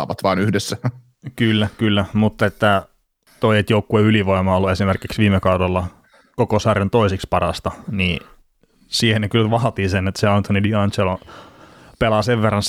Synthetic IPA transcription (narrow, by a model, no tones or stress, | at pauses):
ɑ̰ʋɑ̰t̪ʋɑːnyhdesːæ | kylːækylːæmut̪ːɑet̪ːæ | t̪oiet̪joukːueyliʋoimɑːolːuesimerkiksʋiːmekɑudolːɑ | kokosɑrent̪oisikspɑrɑ̰st̪ɑniː | siːhenekylʋɑhɑt̪iːsenːet̪ːseɑnt̪onidiɑnt͡ʃelo | pelɑːseʋʋerːɑns